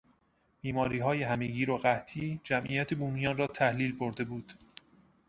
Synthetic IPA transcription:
b̥iːmɒːɾiːɦɒːjeɦæme̞ɡiːɾoɢæt̪ʰiːd͡ʒæmʔḭjæt̪ʰebuːmijɒːnrɒːt̪ʰæhliːlboɾd̪e̞buːd̪̥

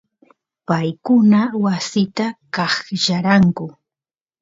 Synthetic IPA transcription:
pajkʊnawasɪt̪akɑχjaɾaŋkʊ

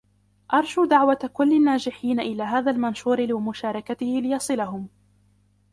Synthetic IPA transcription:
ʔɑɾˤʃuːd̪aʕwat̪akʊlːɪnːaːd͡ʒɪħiːnaʔɪlaːɦaːðalmanʃuːɾɪlɪmʊʃaːɾˤɑkat̪ɪhɪlɪjɑsˤɨlaɦʊm

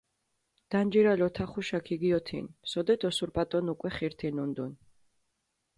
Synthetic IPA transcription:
d̪̥and͡ʒiɾalɔt̪ʰaχuʃakʰiɡiɔt̪ʰḭnsɔd̪ɛd̪ʰɔsuɾpʼat̪ʼɔnukʼwɛχiɾt̪ʰinund̪un

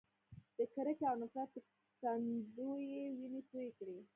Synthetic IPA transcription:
d̪̥əkəɾəkawnasat̪ə | sand̪ojewinepojekɽi

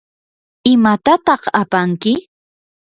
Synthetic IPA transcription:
ɪmat̪at̪ɑχapaŋkɪ

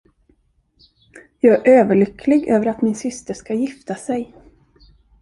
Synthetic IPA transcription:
jɑːɡæʔøːvəɭʏkʰlɪɡøːvəɾat̪mɪnsʏst̪əʂkajɪft̪asɛj

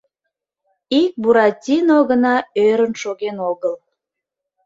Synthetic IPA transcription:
ik̚buɾɑtʲinoɣənɑøɾənʃoɣenoɣəl

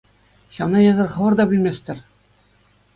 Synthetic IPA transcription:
ɕɑmnɑjɤ̆zɤ̆rχɤ̆ʋɤ̆rd̪ɑbɘ̆lʲmʲesʲt̪ʲɘ̆rʲ

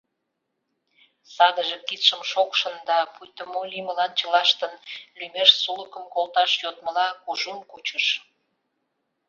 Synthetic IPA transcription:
sɑd̪əʒekit̪ʃəmʃokʃənd̪ɑpujt̪əmoliməlɑnt͡ɕəlɑʃt̪ənlymeʃsuləkəmkolt̪ɑʃjot̪̚məlɑkuʒumkut͡ɕəʃ

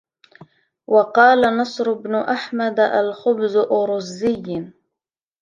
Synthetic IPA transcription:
wɑqɑːlanɑsˤɾʊbnʊʔaħmad̪ʔa̰lxʊbzʊʔʊɾʊzːɪjːn

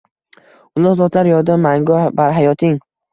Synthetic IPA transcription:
ʊlˠɒzɒt̪laɾjɒɾd̪amaŋɡɒbaɾɦajɒt̪ʰɪŋ

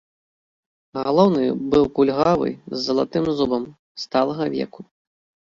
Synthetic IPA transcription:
ɣalˠɔwnɨbɨwkulʲɣavɨ̰zːɐlˠat̪ɨmzubɐm | st̪alˠɐɣɐvʲɛ̰ku

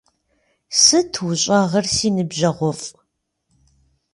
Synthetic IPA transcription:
sɨtʰwʊɕʼɐʁɐrsiːnɨbʑɐʁʷɔfʼ

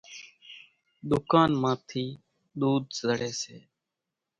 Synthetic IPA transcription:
ɗ̪ʊkaːnmãːt̪ʰiː | ɗ̪uːd̪zəɽeːseː

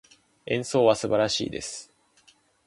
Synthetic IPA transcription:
ẽ̞ɰ̃so̞ːβasɨbaɾaɕḭːd̪e̞sɨ̥

